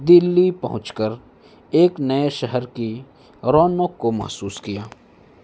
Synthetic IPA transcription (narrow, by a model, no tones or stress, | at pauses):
d̪ɪlːipɐ̰ɦʊ̃t͡ʃkəɾ | eːknɐeʃɛɦəɾki | ɾɔːnoːkːomɐ̰ɦsuːskijaː